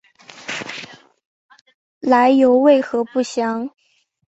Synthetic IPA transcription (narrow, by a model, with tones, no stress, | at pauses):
la˧˥ɪjo˧˥ʊwe˥˩ɪxɤ˧˥pu˥˩ɕjɑ˧˥˦ŋ